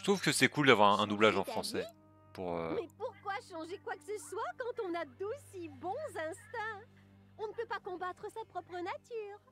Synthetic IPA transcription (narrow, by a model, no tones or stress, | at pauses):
ət̪χuvkəsɛkuld̪avwaʁɛ̃ɛ̃nublaʒɑ̃fχɑ̃sɛ | puʁømɛpuʁkwaʃɑ̃ʒekwakə̥səswakɑ̃t̪ɔ̃nad̪osibɔ̃zɛ̃st̪ɛ̃ | ɔ̃nəpøpakɔ̃bat̪χəsapχɔpχənat̪yːʁ